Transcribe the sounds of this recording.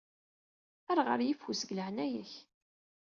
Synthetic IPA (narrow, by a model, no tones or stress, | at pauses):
æɾˤʁə̰ɾjifusəɡləhnæjəç